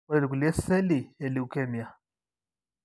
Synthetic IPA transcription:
ɔ˦lɛ˨li˨ku˨lɛ˦sɛ˦li˨ɛ˨li˦˨u˨kɛ˦mi˨a˨

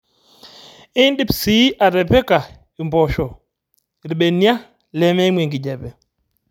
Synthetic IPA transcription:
i˦ndi˦psi˦ʔa˨ɾɛ˨pɛ˦ka˨ | i˨mbɔ˨ʃɔ˨ | ɾi˨ɓɛ˨nja˦ | lɛ˨˦mɛ˦mwɛ˨ŋɡi˨d͡ʒɛ˨pɛ˨

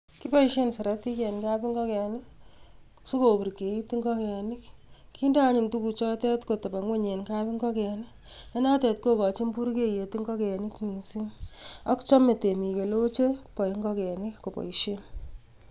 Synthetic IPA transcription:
ki˦pɔ˦i˦ʃe˦nsɔ˨ɾa˦ti˦kɛ˨nka˦pi˦ŋɡɔ˦kɛ˨nɪ˦ | so˦ko˨pu˨ɾke˨ji˦ti˦ŋɡɔ˦kɛ˨nɪ˦k | kʰi˦nda˦ɲi˨ntu˦ku˧t͡ʃɔ˦tɛ˦tko˨tɐ˨pa˨ŋwe˦ɲe˨nka˦pi˦ŋɡɔ˦kɛ˨nɪ˦ | e˦na˦tɛ˨tko˦kɔ˨t͡ʃi˦mpu˦ɾke˦je˨ti˦ŋɡɔ˦kɛ˨nɪ˦kni˨si˦na˦kt͡ʃɔ˦me˨te˨mi˨ke˨lo˦t͡ʃe˦pɔ˨i˦ŋɡɔ˦kɛ˨ni˦ko˨pɔ̰˨iʃe˦n

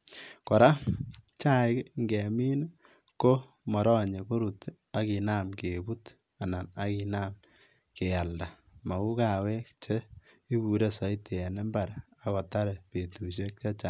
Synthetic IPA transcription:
kɔ˨ɾa˦t͡ʃa˦ɪ˦kŋɡɛ˨mi˦n | ko˦ | mɔ˨ɾɔ˦ɲe˨ko˦ɾu˨t | a˨ki˨na˦mke˨bu˦t | a˨na˨na˦ki˨naː˦m | ke˨a˨lda˨ | ma˨u˦ka˨we˦kt͡ʃe˦i˦ku˨ɾe˦sɔ˨˦ite˨ɛ˨nɛ˦mba˨ɾa˨kɔ˨ta˦ɾe˨pe˨tu˨ʃ̬e˦k̚t͡ʃa˦t͡ʃa˨

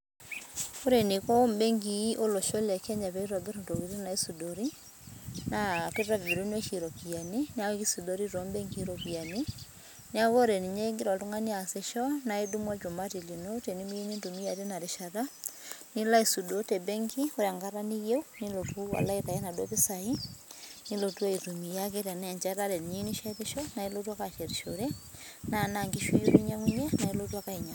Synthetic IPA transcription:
o˦ɾe˨ni˨kɔ˦mbɛ˦ŋɡi˨˦ʔo˦lɔ˨ʃɔ˦lɛ˨kɛ˦ɲa˨βɛ˨i˦ɾɔ˨be˦ɾo˦˨nto˨βi˨ɾna˨i˦su˨dɔ˨ɾi˦ | na˨ke˦ɾa˦vi˨ɾu˦n˦ɛ˦ʃi˨ɾɔ˨ki˨a˨ni˦n˦a˦e˦ki˦su˨dɔ˦ɾi˦ɾɔ˨mbɛ˦ŋɡi˦ɾɔ˨βi˨a˨ni˦ | n˦a˦ɣɔ˦ɾe˨ni˨ɲɛ˦ŋɡi˦ɾwa˨tu˦ŋa˦ni˦a˨sɛ˨ʃɔ˦na˨e˦du˦mwa˦d͡ʒo˨ma˦ti˨li˨no˦tɛ˨ni˦mi˦je˦ɲe˦ndu˨mi˦a˨ɾe˦na˨ɾe˨ʃa˨ɾa˦ni˦la˦i˨su˨dotɛ˨bɛ˦ŋki˦o˦ɾa˨ŋɡa˦ɾa˦ni˦ɣe˦u˦ni˦lo˨tu˦wa̰˨la˦iða˨ɛ˦na˨dɔ˦βe˦sa˨i˦ni˦lo˨tu˦a˦i˨tu˨mi˨ja˦ke˦ɾa˨nɛ˨ɲd͡ʒa˦ɾa˦ɾɛ˨n˨ɲi˦niʃa˦te˦ʃɔ˦na˨e˦lo˦twa˦ka˨ʃɛ˨ɾiʃoɾɛ˦ | na˨na˨ŋɡi˦ʃu˦jo˦ɾi˦ɲa˦ŋu˦ɲɛ˦na˨e˦lo˦twa˦ka˦i˨ɲa˨

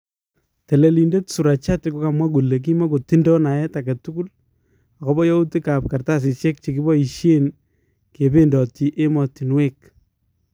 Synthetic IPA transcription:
te˨le˨li˨nde˦tsu˨ɾa˨t͡ʃa˦te˨ko˦ka˨mwa˦ku˨le˨k̬i˦ma˦ko˨ti˦ndɔ˦na˨jɛ˦ta˨ke˨tu˦ku˦l | a˨kɔ˦bɔ˦jɔ˦u˦ti˦ka˨p̚ka˨rta˦s̬i˨sjɛ˦k̚t͡ʃe˨ki˦bɔ˦i˨ʃje˦n | ke˨pe˦ndɔ˨ti˨ʔe˦mɔ˨ti˨nwe˦k̚

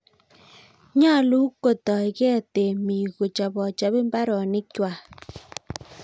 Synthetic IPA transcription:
ɲa˦˨lu˦kːo˨tɔ˨kɛ˦˨te˨mi˨ɣo˨t͡ʃa˨bɔ˨t͡ʃa˦βe˦mba˦ɾɔ˨nɪ˦kwa˨

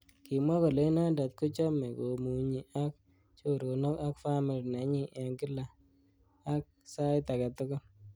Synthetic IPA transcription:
kɪ˨mwɔ˦ko˨le˦na˦nda˨t̪̚kʊ˦t͡ʃɔ˦mɛ˨ko˨mu˨ɲi˨ʔa˦k̚ | t͡ʃo˦ɾo˨no˦ka˦kfa˦mi˨lnɛ˨˦ɲɪ˦ʔɛ˨ŋɡɪ˦la˨ | a˦k̚sa˦ɪta˨ka˨tʊ˦kʊ˦

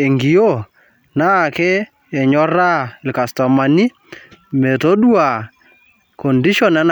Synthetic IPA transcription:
e˨ŋɡi˨jo˦˨ | na˦˨ke˦ | e˨ɲɔ˦ɾa˦˨lka˨stɔ˨ma˨ni˦ | me˨to˦ɗwa˨ | kɔ˨ndi˦ʃɔ˦nɛ˦n

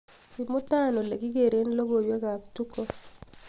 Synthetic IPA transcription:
ki˨mʊ˦ta˦˨no˨le˨ɡi˦ɡe˨ɾe˦n˦lo˦ɡo˨jwe˦ɡa˨k̚tu˦ko˦

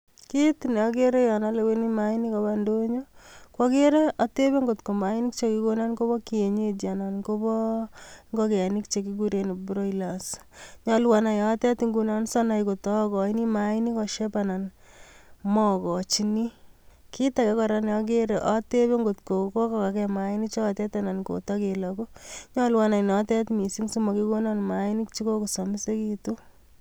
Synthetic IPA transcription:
ki˦tin˨ɔ˦ɡ̬e˦ɾe˦jɔ˨na˦le˨weni˦ma˦i˦ni˦ka˨bando˦ɲo˦kwɔ˦ke˦ɾe˦ɔ˦te˦be˦ŋɡo˨tko˨ma˨i˦ni˦kt͡ʃeki˦ko˦na˦nko˦bɔ˦ki˨e˨ɲe˦d͡ʒa˨na˨nko˦bɔ˦ŋɡɔke˨a˨ni˦kt͡ʃe˨ki˦ɡu˦ɾe˨ni˨bɾo˦ila˨s | ɲɔlwa˨na˨jɔ˨˦tɛ˦ti˦ŋɡu˨na˦nsɔ˦na˨jko˨tɔ˦kɔ˨i˦ni˦mai˦ni˦kɔ˨ʃe˦pa˨na˨n | mɔ˦kɔ˨t͡ʃini˦ki˦ta˨kɛ˨kɔɾanjɔk̬eɾeʔɔ˦te˦beŋɡotko˨ko˦kaka˨kɛmaini˦t͡ʃɔ˦˨tɛ˦tana˨nko̰˨tɔ˦kelɔku˦ɲɔ˦lwana˨inɔtɛ˦tmi˨si˦ŋsumɔ˨kiko˦na˦nmani˦k̚t͡ʃi˦ko˦ko˨sɔ˨mi˦se˦kitu˦

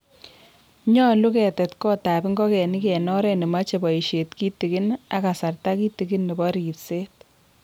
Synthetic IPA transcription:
ɲɔ˦lu˦kɛ˨tɛ˨tkɔ˦ta˨pɪ˦ŋɡɔ˦kɛ˨ni˦kɛ˨nɔ˦ɾɛ˦ni˨ma˦t͡ʃe˨bɔ˨iʃe˨tki˦ti˨ki˦na˦ka˨sa˨rta˦ki˦ti˨ki˦nːɛ˨bɔ˦ɾitseː˦t̚

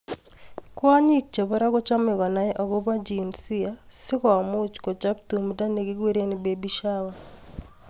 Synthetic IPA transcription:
kwa˦ɲi˦k̚t͡ʃe˨βo˦ɾa˦ɣo˦t͡ʃa˦me˨ɣwa˨na˨jɛ˦ʔa˨ɣo˦βa˦d͡ʒinsi˦asɪ˦ka˨mu˦t͡ʃkɔ˨t͡ʃa˦btu˨muda˦ne˨ɡiɡe˦ɾe˦nibebiʃawa

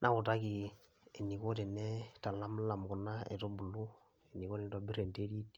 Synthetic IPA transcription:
nʔa˨kʊ˨ta˦ki˨ | e˨ni˨ko˦tɛ˨nɛ˦ta˨la˦mla˨mɡu˨na˦ɛ̰˨to˦bu˨lu˦ | e˨ni˨ko˦ɛ˨nɛ˦tɔbi˦ɾe˨nte˦ɾi˦t

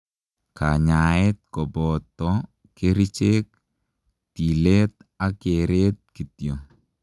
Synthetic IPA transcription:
ka˨ɲa˨ɪ˦t̪̚kɔ˨bɔ˨t̪ːɔ | ke˦ɾi˦t͡ʃe˦k̚ | ti˨le˦t̪̚a˦keɾe˦t̪̚ki˨tjo˨

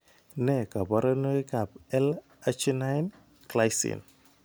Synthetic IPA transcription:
nɛ˦˨ka˨ba˦ɾa˦no˦i˦ka˨pɛ˦l | a˦t͡ʃi˦na˦jn | kla˦jsḭ˨n

